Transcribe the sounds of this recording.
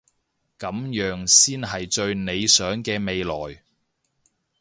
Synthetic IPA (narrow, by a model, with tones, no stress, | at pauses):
kɐ˨˥mjœː˨˥ŋsiː˥nɦɐ˨jt͡ʃɵ˧ɥne˨˧jsœː˨˥ŋkɛː˧me˨˧jlɔː˨˩j